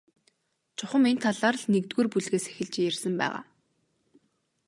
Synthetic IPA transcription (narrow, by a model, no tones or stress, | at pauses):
t͡ɕʰʊχə̆ment̪ʰaɮaːr̆ɮnekt̪ɡuːrpuɮɣeːsæ̥xʲɪ̆ɮt͡ɕjersə̆mpæ̰ːʁa̰ː